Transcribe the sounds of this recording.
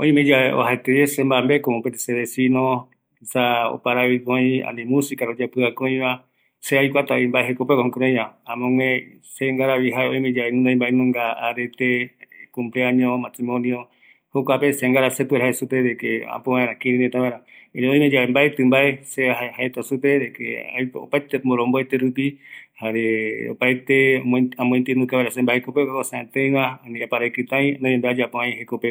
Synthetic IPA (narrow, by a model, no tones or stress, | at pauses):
õĩmẽd͡ʒaeo̰ɦaet̪eesembambekomõpet̪e̥seðesinõ | isao̰paɾaβikoĩã̰nĩmũsikaɾod͡ʒapɨakõĩβa | seajkʷat̪aimbaeɦekopekohõkɾõj̃βãamõŋwẽ | seŋɡaɾaβiɦaeõĩmẽd͡ʒaenũãĩmbaenũŋɡaaɾet̪ekumpleaɲõmasimõnio | hokʷapeseŋɡaɾaset̪ueɾhaesupedekeã̰poβãẽɾãkiɾinet̪aβaẽɾãeeõj̃mẽd͡ʒaembaet̪ɨmbaeseahaet̪osupeɾekḛa̰jo̰pajt̪emoɾõmboet̪eɾupihaɾeo̰pajt̪emõamõĩt̪ɨnũkaβaeɾasembahekopeokakoseãt̪ẽj̃βãanĩapaɾakɨt̪ãj̃nõɲẽmbead͡ʒapõãj̃ɦekope